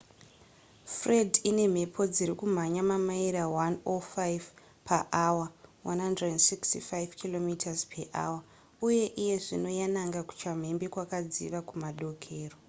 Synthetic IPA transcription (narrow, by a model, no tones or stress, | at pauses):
fre̞dʱine̞m̤e̞pʰo̞d͡ziɾikum̤aɲamamaiɾawanofajv | pʰaʔawawanɦandredendsikstifaivkilo̞mitʰazpʰeʔa̰wa | uje̞ʔije̞ʐino̞janaŋɡaku̥t͡ʃam̤e̞mbikwakad͡zḭʋakumaɗo̞kʰe̞ːro